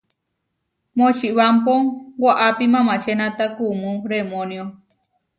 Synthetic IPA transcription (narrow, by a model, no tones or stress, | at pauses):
mõt͡ʃiʔβampoŋɡaʔapimãmãt͡ʃenãt̪akumũɾemonjo